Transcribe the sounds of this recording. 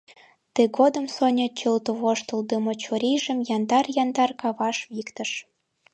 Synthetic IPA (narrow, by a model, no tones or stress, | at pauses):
t̪əɣod̪ə̆msonʲet͡ɕəlt̪oβoʃt̪ə̆ld̪əmot͡ɕoɾiʒə̆mjɑnd̪ɑrjɑnd̪ɑrkɑβɑʃβikt̪ə̆ʃ